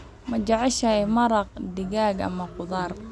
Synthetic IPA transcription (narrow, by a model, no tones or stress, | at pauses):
mɐd͡ʒɑʕɪʃɐjmɐɾɑq̚d̪ɪɣaːɡɐ̰mɐqʊðɑːr